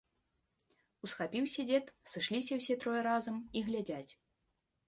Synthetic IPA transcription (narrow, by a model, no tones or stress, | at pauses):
usxapʲiwsʲad͡zʲɛt̪sɨʂlʲisʲɐwsʲɛt̪ɾɔjɛɾazɐmiɣlʲad͡zʲat͡sʲ